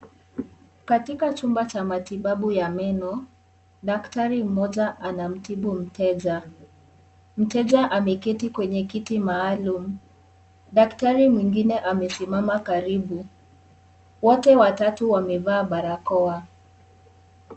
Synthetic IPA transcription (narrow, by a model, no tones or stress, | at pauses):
katikat͡ʃumbat͡ʃamatiɓaɓujamɛnɔ | ɗaktaɾim̩mɔʄaʔanam̩tiɓum̩tɛʄa | m̩tɛʄaʔamɛkitikwɛɲɛkitimaːlum̩ | ɗaktaɾimwiŋɡinɛʔamɛsimamakaɾiɓu | wɔtɛwatatuwamɛvaːɓaɾakɔa